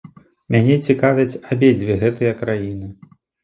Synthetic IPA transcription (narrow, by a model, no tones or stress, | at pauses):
mʲanʲɛt͡sʲikavʲɐt͡sʲabʲed͡zʲvʲiɣɛt̪ɨjɐkɾajinɨ